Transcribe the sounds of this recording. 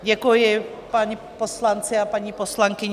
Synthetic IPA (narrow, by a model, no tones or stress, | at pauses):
ɟɛkujɪ | paɲiposlant͡sɪapaɲiposlaŋkɪɲ